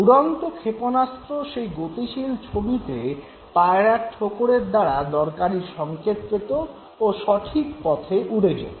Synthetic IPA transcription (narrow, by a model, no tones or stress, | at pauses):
uɽɔnt̪okʰeponast̪ɾoʃejɡot̪iʃilt͡ɕʰobit̪e | paeɾaʈʈʰokoɽeɾd̪aɾad̪ɔɾkaɾiɾʃɔŋket̪pet̪oː | ʃɔʈʰikpɔt̪ʰeʔuɽed͡ʑḛ